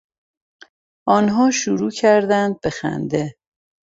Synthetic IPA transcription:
ʔɒːnɦɒːʃuɾuːcʰæɾd̪ænd̪̚be̞xæ̰nd̪e̞

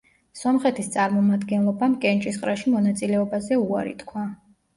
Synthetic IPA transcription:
sɔmχɛt̪ʰist̪sʼaɾmɔmad̪ɡɛnlˠɔbamkʼɛnt͡ʃʼisqʼɾaʃimɔnat̪sʼilɛɔbazɛuaɾḭt̪ʰkʰwa

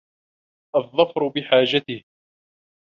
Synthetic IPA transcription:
ʔɑðˤːɑfɾʊbɪħaːd͡ʒat̪ɪh

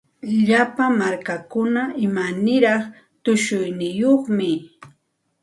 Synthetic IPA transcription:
ʎapamaɾkakʊnaɪmanɪɾɑχ | t̪ʊʃʊjnɪjoχmɪ

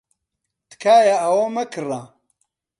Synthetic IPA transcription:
t̪kʰaːjaɐwomɐkʰɨra

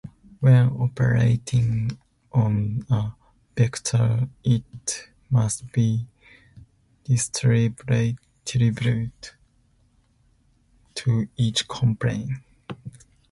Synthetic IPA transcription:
wɛɔpʰə̰ɹḛɪtʰɪ̃ŋ | ʔɔ̃nə | bɪktʰə˞ɪt | mastb̥i | d̥ɪstʰɹib | tʰɹibjud | tʰuit͡ʃkʰɔ̃mpʰlḛ̃ɪ̃n

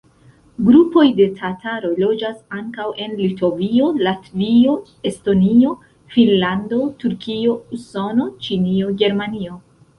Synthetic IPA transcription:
ɡɾupo̞jde̞tʰataɾo̞jlo̞d͡ʒasaŋkawʔe̞nlito̞vio̞latvio̞ | e̞sto̞nio̞ | finlando̞tuɾkio̞uso̞no̞t͡ʃinio̞ɡe̞ɾmanio̞

